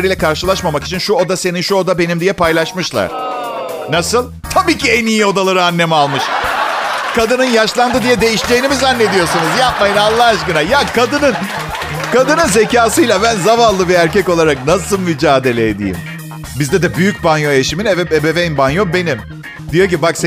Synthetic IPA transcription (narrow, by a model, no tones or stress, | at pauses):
ɾilʲɛkʰaɾʃɯlˠaʃmamaki̥t͡ʃʰinʃuo̞d̪ase̞ninʃuod̪abe̞nimd̪ijɛpʰajlˠaʃmɯʃlˠa̰ɾ̥ | nasɯlˠ | t̪ʰabiːcʰiɛnijio̞d̪alˠaɾɯanːe̞mialˠmɯʃ | kʰad̪ɯnɯnjaʃlˠand̪ɯd̪ijɛd̪e̞jiʃd͡ʒejːnimizanːe̞d̪ijo̞ɾsunuzjap̚majɯnalˠːaːaʃkɯnajakʰad̪ɯnɯn | kʰad̪ɯnɯnze̞caːsɯjlʲˠabænzavallˠɯbiæɾcɛko̞lˠaɾak̚nasɯlˠmyd͡ʒaːd̪e̞lʲeed̪ḭjḭm | bizd̪ɛd̪ɛbyjyc̚banjoeʃiminevɛebevejnbanjo̞mbe̞nim | d̪ijo̞c̬ibakse